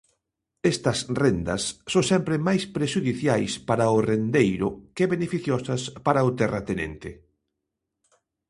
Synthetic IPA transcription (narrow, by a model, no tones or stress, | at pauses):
est̪ɐsrend̪ɐ̰sːõŋsɛmpɾɪmajspɾeʃuðiθjajspaɾɐʊrend̪ejɾʊkeβenefiθjoɔsɐspaɾɐʊt̪ɛrɐt̪enḛnt̪ɪ̰